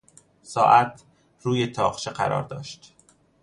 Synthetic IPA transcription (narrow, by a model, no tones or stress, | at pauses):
sɒːʔæt̪ʰ | ɾuːjet̪ʰɒːqt͡ʃeɢæ̰ɾɒ̰ːɾd̪ɒ̰ːʃt̪